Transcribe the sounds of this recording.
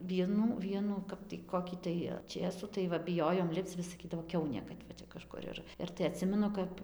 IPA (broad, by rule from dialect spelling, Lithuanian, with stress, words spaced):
ˈʋʲiɛnuː ˈʋʲiɛnuː ˈkɐp tɐɪ ˈkoːkʲiː tɐɪ ˈt͡ʃʲeːsuː tɐɪ ˈʋɐ bʲɪˈjoːjoːm ˈlʲɪpt͡s ʋʲɪs sɐˈkʲiːdɐʋoː ˈkʲɛʊnʲeː kɐt ʋɐ ˈt͡ʃʲɛ kɐˈʃkʊr ɪr ɪr tɐɪ ɐˈtʲsʲɪmʲɛnʊ ˈkɐp